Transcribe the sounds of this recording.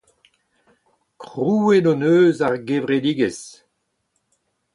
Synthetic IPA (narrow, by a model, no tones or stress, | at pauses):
kʁuːenɔnøːzaʁɡevʁed̪iɡes